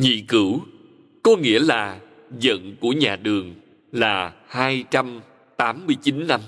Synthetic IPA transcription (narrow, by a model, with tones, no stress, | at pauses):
ɲḭ˧˨kɨ˧˩w | kɔ˨˦ŋḭ˧˥əlaː˨˩ | zə̰˧˨nku˧˩əɲaː˨˩ɗɨ˨˩əŋ | laː˨˩haː˧jt͡ɕa˧m | t̪aː˨˦mːɨ˧əjt͡ɕi˨˦nːa˧m